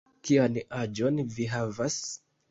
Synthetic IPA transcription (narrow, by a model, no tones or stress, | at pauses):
kianad͡ʒo̞nviɦavas